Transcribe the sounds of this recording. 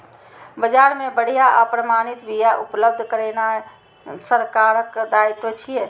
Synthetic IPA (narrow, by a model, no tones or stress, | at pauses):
bəd͡ʒaɾmẽbəɽ̤ijaʔapɾəmaːñit̪bijaʔupləb̚d̪ʱkəɾena | səɾkaːɾəkd̪ait̪ʋot͡ʃʰije